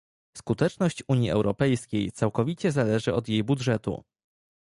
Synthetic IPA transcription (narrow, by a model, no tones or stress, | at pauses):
skut̪ɛt͡ʂnɔɕt͡ɕuɲjiʔɛ̰wɾɔpɛjskʲejt̪sawkɔvʲit͡ɕɛzalɛʐɘɔd̪jejbudʐɛt̪ṵ